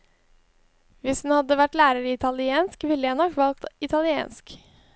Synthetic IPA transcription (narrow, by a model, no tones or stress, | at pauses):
ʋɪshʉnhɑd̪əʋæʈlæːɾəɾɪt̪ʰɑlɪeːnskʋɪlːəjænɔkʋɑlkt̪ɪt̪ʰɑlɪḛːnsk